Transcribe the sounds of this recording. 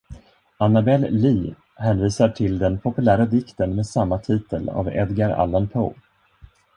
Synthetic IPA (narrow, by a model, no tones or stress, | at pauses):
anabɛlːiː | hɛːnviːsaʈʰɪld̪ɛnpʰɔpɵlæːɾad̪ɪkt̪ənmeːd̪samːat̪ʰiːt̪əla̰vɛ̰d̪ɡaɾa̰lanpʰo̰